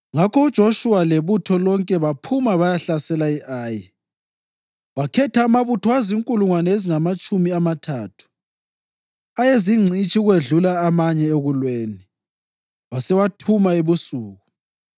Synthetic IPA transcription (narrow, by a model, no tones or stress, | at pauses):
ŋakʰɔud̥ʒ̥ʱoʃuwaleβutʰɔlɔŋkʼɛβapʰumaβajaɬasɛlaiʔaːjɛ | wakʰɛtʰaːmaβutʰɔaziŋkʼuluŋwanɛeziŋamat͡ʃʼumiamatʰaːtʰu̥ | ajeziŋ͡ǀʱit͡ʃʼiɣweɮulaːmaɲɛeɣulweːni | wasɛwatʰumaeβusuːɣu